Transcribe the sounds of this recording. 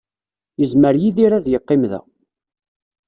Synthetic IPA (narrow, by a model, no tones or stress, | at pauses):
jəzməɾjiðiɾæðjəqːɪmðæ̰